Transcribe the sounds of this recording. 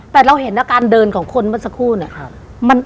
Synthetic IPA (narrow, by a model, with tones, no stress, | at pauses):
t̪ɛː˨˩ɾa˧wɦe˨˩˦nda˧˩kaː˧ndɤː˧nkʰɔː˩˦ŋkʰo˧nma˦˥˨nsa˧kʰuː˥˩ni˧˩ɐ | ma˧n